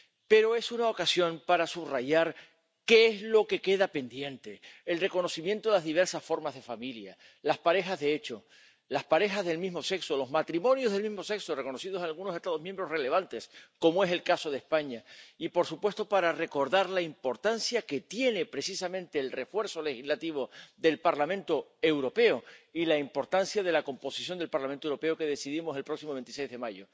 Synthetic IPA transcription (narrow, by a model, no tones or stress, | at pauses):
pe̞ɾo̞e̞sunaokasjo̞mpaɾasuβraʝaɾ | ke̞ezlo̞ke̞ke̞ðape̞nd̪je̞nt̪e̞ːlre̞ko̞no̞simje̞nt̪oelazðiβe̞ɾsasfo̞ɾmazðefamilja̰ | laspaɾe̞xazðe̞e̞t͡ʃo̞ | laspaɾe̞xazðe̞lmizmo̞se̞ksolo̞zmat̪ɾimõ̞njo̞zðelmĩɦmo̞se̞ksore̞ko̞no̞sið̞o̞senalɣunose̞st̪aðo̞mjẽmbɾo̞re̞le̞β̞ant̪e̞sko̞moe̞se̞lkaso̞ð̞e̞spaɲaipo̞ɾsupwe̞st̪o̞paɾare̞ko̞ɾðaɾlaimpo̞ɾt̪ansjake̞t̪je̞ne̞pɾe̞sisamẽnt̪e̞ːlre̞fwe̞ɾso̞le̞xizlat̪iβo̞ðe̞lpaɾlamẽnt̪o̞e̞wɾo̞pe̞oilaimpo̞ɾt̪ansjað̞e̞lako̞mpo̞sisjo̞nd̪elpaɾlament̪owɾo̞pe̞oke̞ðe̞siðimo̞se̞lpɾo̞ksimoβent̪isejzðemaʝo̞